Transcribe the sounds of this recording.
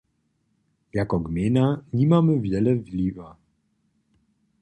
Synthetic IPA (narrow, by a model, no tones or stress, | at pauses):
jakɔɡmʲeːnaɲimamɘvjɛlɛvlʲiːva